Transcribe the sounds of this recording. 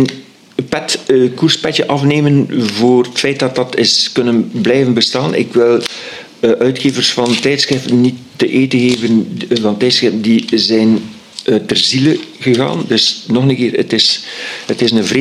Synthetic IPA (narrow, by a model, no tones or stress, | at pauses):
n | pɛtkurspɛt͡ʃəʔɑfneːmənvoːrətfɛjt̚dɑt̚dɑtɪskɵnənblɛjvənbəstaːnʔɪ̰kwɪlˠ | ʔœɥtxeːvərsfɑntɛjtsxrɪftənːitːəʔeːtəɣeːvənvɑntɛjtsxrɪftəndizɛjn | ətərziləɣəɣa̰ːndɵsnɔxənəkɪːrə̰tɪsətɪsnəvre